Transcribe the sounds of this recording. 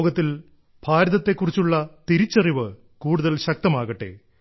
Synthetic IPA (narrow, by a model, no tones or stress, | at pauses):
ɡɐt̪ːil | bʱaːɾɐðɐt̪ːe̞kːurit͡ɕːuɭːɐt̪iɾit͡ɕːɐriʋɨ | kuːɽuðɐlɕɐk̚t̪ɐmaːɣɐʈːḛː